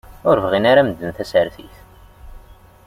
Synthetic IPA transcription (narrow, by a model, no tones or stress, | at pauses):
ʊɾvʁinaɾaməd̪ːənθæsəɾθiθ